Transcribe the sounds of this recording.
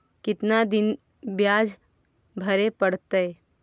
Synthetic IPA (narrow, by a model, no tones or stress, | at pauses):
kɪt̪nad̪ɪn | bjaːd͡ʒ | bʱɐɾepɐɽt̪əe